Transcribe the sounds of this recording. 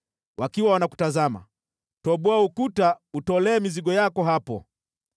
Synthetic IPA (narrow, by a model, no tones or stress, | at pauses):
wakiwawanaku̥tazama̰ | tɔɓɔaukutautɔlɛːmiziɠɔjakɔɦapɔ̰